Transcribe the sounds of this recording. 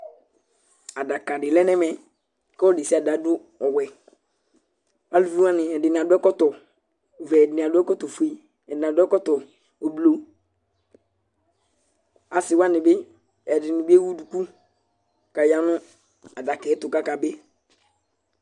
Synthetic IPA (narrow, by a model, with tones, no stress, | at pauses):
a˨da˨ka˨dɪ˨lɛ˦nɛ˦mɛ˨ | kɔ˦di˨si˦a˨da˨˦dʊ˦ | ɔ˨wɛ˨ | a˦lu˨vi˦wã˦nɪ˨ɛ˨dɪ˨n˨a˨dʊ˦ɛ˦kɔ˦tɔ˨ | vɛ˨dɪ˨nɪ˨a˨dʊ˦ɛ˦kɔ˦tɔ˨fu˨e˨ | ɛ˨dɪ˨na˨dʊ˦ɛ˦kɔ˦tɔ˨ | o˨blo˨ | a˨sɪ˨wa˦nɪ˨bɪ˦ | ɛ˨dɪ˨nɪ˨bɪ˦e˦wu˦du˨ku˦ | ka˨ja˨nʊ̃˦ | a˨da˨kɛ˨˦tʊ˨ka˦ka˨bɪ˦